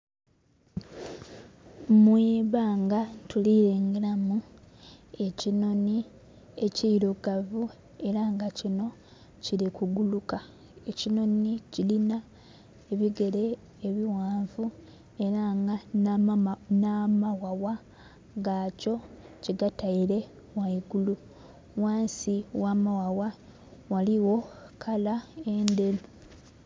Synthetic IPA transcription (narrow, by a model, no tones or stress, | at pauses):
mwiːβaːŋɡatuliɾeːŋɡelamu | e̞cino̞ni | e̞ciɾoɡavu | e̞ɾaŋɡacino̞ | cilikuɡuluka | e̞cino̞nicilina | eβiɡe̞ɾe̞ː | βiwaːɱvu | e̞ɾaŋɡa | namawawa | ŋɡaːco̞ciɡataiɾe̞ | waiɡulu | waːnsiwamawawa | waliwo̞kʰalaende̞lu